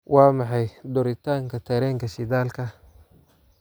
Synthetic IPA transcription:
wʔɑːmɑħɑjd̪ʊɾɪt̪ʰaːŋkʰɐt̪ʰɛɾɛːŋkʰɐʃɪd̪aːlkʰɐ

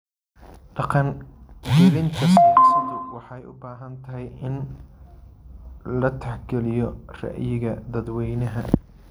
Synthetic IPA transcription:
ɖɑqɑnɡɛlɪnt̪ʰɐssɐðʊwɑħɑjʔʊ̰baːɦɐnt̪ʰɐɦɛjɪn | lɐt̪ʰɐħɡɛlɪjɔrɑ̰ʔjɪɣɐd̪ɐd̪wɛjnɐɦɐ

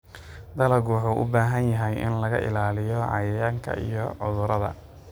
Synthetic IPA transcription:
d̪ɐlɐɣwħuːʔʊ̰baːɦɐnjɐɦɛjʔɪ̰nlɐɣɐ̰ʔɪ̰laːlɪjɔʕɑ̰jɐjaːŋkʰɐ̰ʔḭjɔʕʊðʊɾɐðɐ̰

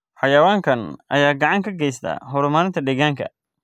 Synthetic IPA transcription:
ħɑjɐwaːŋkʰɐnʔɐjaːɡɑʕɑŋkʰɐɡɛjst̪ʰa̰ːɦɔɾʊmaːɾɪnt̪ʰɐɖ̪ɛɣaːŋkʰɐ̰

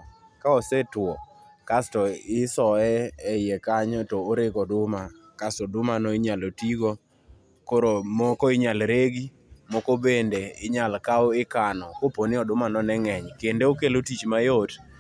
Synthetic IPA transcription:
kaɔsetwɔkastɔɪsɔɛɛɪjekaɲɔtoːɾeɡɔdʊma | kastɔdʊmanoɪɲalotiɡo | koɾomkoɪɲalɾeɡi | mokobendeɪɲalkaoɪkanɔkoponɪɔdʊmanɔnɛŋɛɲkendeokelotit͡ʃmajot

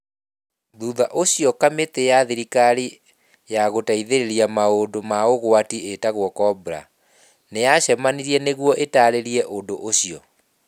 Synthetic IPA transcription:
ðuðaʔoɕiɔkametejaðiɾikaɾi | jaɣotaiðeɾeɾiamaodomaoɣwatietaɣwɔkɔbɾa̰ | nejaɕɛmaniɾiɛneɣwɔʔetaːɾeɾiɛʔondoʔoɕiɔ

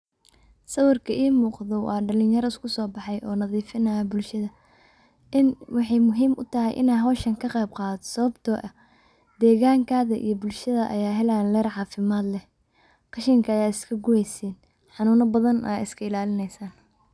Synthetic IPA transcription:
sɐwɐrkʰɐʔiːmuːqðɔwɑ̰ːɖɐlɪnjɐɾɐɪskʰʊsɔːbɑħɑjʔɔːnɐðiːfɪnɐɐbʊlʃɐðɐ | ʔɪnwɑħɑjmʊɦiːmʔʊ̰t̪ʰɐɦɛjʔɪ̰naːɦɔːʃɐŋkʰɐqɛjb̚qɑːðɔsɐβɐbt̪ʰɔːʔɐ | d̪ɛːɣaːŋkʰaːðɐʔḭjɞbʊlʃɐðɐʔɐ̰jaːɦɛlaːnlɛːrʕɑːfɪmaːd̪lɛ | qɑʃɪŋkʰɐɐjaːɪskʰɐɡʊwɛjsɛːn | ħɑnuːnɐbɐðɐnʔa̰ːɪskʰɐɪlaːlɪnɛjsaːn

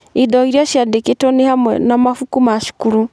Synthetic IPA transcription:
idɔiɾiaʃjadeketɔnehamwɛ̰namafukumaʃu̥kuɾu

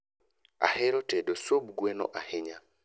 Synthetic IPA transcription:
a̰hɛɾotedosob̚ɡwenɔ̰ʔahɪɲa

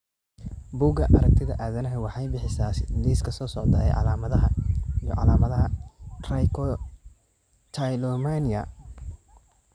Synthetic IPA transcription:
buːɡɐʔɐɾɐk̚t̪ʰɪðɐʔaːðɐnɐɦɛwɑħɑjbɪħɪsaːsɪliːskʰɐsɔːsɔʕd̪ɐ̰ɛ̰jʕɑ̰laːmɐðɐɦɐjɔ̰ʕɑ̰laːmɐðɐɦɐrajkʰɔ | t̪ʰajlɔmaniɐ̰

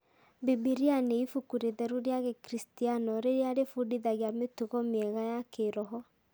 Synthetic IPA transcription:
bebiɾianeifukuɾeðɛɾuɾeaɣekɾistianɔɾeɾeaɾefudiðaɣeametuɣɔmeɛɣajakeɾɔɦɔ

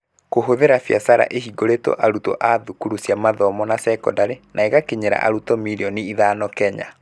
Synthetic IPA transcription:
koɦoðeɾafjasaɾa̰ʔehiɡoɾetɔ̰ʔaɾutɔ̰ʔaðukuɾusjamaðɔmɔnasɛkɔ̰daɾenʔaeɣakeɲeɾa̰ʔaɾutɔmiɾeɔniiðaːnɔkɛɲa̰

